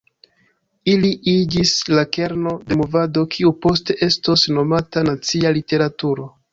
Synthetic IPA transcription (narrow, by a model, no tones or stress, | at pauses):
iliʔid͡ʒislake̞ɾno̞de̞movado̞kʰiupo̞ste̞ʔe̞sto̞sno̞matanat͡sialite̞ɾatuɾo̞